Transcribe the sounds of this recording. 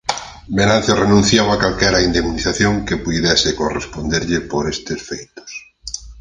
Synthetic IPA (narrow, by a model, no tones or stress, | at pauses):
benãnθjerenũn̟θjaβakalkɛɾaind̪eminiθaθjõŋkepuðɛsɪkorespond̪eɾʎɪpoɾest̪esfejt̪o̥s